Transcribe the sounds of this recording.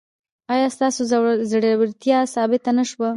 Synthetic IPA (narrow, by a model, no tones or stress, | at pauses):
ɑjɑst̪ɑsozɽwɾt̪jɑsɑbɪt̪anaʃwa